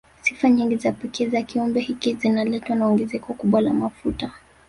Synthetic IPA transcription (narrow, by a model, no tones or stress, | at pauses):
sifaɲiŋɡizapɛkɛzakiɔmbɛhikizinalɛtwanaɔŋɡɛzɛkɔkuɓwalamafuta